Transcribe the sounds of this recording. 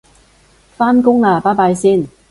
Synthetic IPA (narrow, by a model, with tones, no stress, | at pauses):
faː˥nkʊ˥ŋlaː˧paː˥paː˧jsiː˥n